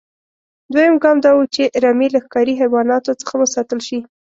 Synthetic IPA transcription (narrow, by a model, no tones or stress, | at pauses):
d̪wajəmɡɑmd̪ɑwut͡ʃeɾɑmilaxkɑɾiɦawɑnɑt̪ot͡sə̥xawəsɑt̪əlʃi